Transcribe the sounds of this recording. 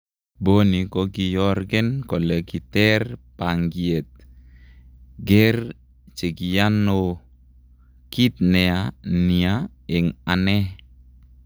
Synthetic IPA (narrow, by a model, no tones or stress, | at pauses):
bonikoɡijɔrɡɛnkɔleɡit̪ɛrpaŋɡiɛt̪̚ | ɡɛr | t͡ʃeɡiano | kit̪̚nɛania | ɛŋanɛh